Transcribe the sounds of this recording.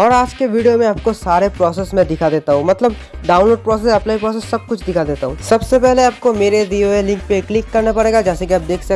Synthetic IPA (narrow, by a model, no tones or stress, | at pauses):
ɔːɾaːd͡ʒkeʋiːɖijomẽaːp̚kosaːɾepɾɔːsɛsmẽd̪ɪkʰad̪eːt̪aɦũːmɐt̪ləb | ɖaːʊ̃nloːɖ̚pɾɔːsesɐpnaipɾɔːs̬ɛsːɐb̚kʊt͡ʃʰd̪ɪkʰad̪eːt̪aɦũːsɐbsepɛɦleaːp̚komeːɾeɖioelɪ̃ŋk̚peklɪkːɐɾnapɐɽeːɡad͡ʒɛːsekiaːp̚d̪eːkʰsɐ